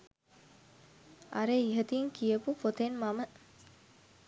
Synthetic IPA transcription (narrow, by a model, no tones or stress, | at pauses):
ʔaɾeiɦət̪iŋkiəpupot̪enmamə